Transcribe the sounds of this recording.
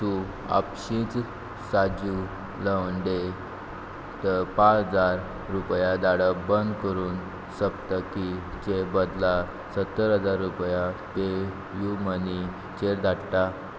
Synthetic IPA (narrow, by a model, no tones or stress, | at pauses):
t̪u | a̰pɕĩt͡s | sad͡ʑu | ləʋɳɖe | t̪əpãt͡səd͡zaɾ | ɾupjad̪aɽəbənd̪kəɾuːn | səpt̪aki | t͡ɕebəd̪la | sət̪ːəɾɦəd͡zaɾːupjape | juməni | t͡ɕeɾd̪ʱaɽʈ̪a